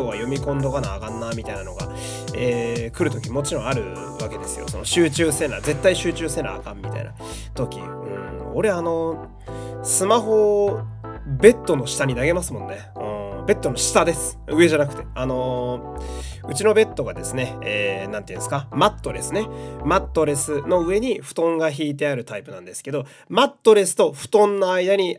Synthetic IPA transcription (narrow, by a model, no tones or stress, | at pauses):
oβajo̞mʲikõ̞nd̪o̞kanaːɡãnːamʲit̪ainano̞ɡa̰ | eːkɯ̟ɾɯ̟t̪o̞kʲimo̞t͡ɕiɾõ̞aɾɯ̟ | βake̞d̪e̞sɨ̥jo̞̰so̞no̞ɕɨːt͡ɕɨːsẽ̞naːze̞t̪ːaiɕɨːt͡ɕɨːsẽ̞na̰ːkãmʲːit̪a̰ḭna̰ | t̪o̞kʲḭ | ɯ̟̰̃ɴ | o̞ɾe̞ano̞ | sɨmaɦo̞ | be̞t̪ːo̞no̞ɕi̥t̪aɲ̟inaɡe̞masɨmõ̞nːeɯ̃ːbe̞t̪ːo̞noɕi̥t̪ad̪e̞sɨ̥ɯ̟e̞ʑanakɯ̟̥e̞ano̞ | ɯ̟t͡ɕino̞be̞t̪ːo̞ɡad̪e̞sɨne̞ːnãnt̪eĩnsɨ̥kamat̪ːo̞ɾe̞sɨne̞mat̪ːo̞ɾe̞sɨno̞ɯ̟e̞ɲ̟iɸɯ̟̥t̪õ̞ŋɡaçiːt̪̬e̞aɾɯ̟t̪aipɯ̟nãnd̪e̞sɨ̥ke̞d̪o̞ | mat̪ːo̞ɾe̞sɨ̥t̪o̞ɸɯ̟̥t̪õ̞nːoaid̪aɲ̟i